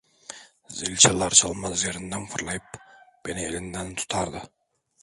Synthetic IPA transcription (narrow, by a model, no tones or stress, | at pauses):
zɪlʲt͡ʃʰalˠɑɾsɑlˠmɑzjeɾɪnd̪anfʰʊɾlˠɑjɪpb̥eneɪlɪnd̪ænt̪ʰʊ̥t̪ʰɑɾd̪ɪ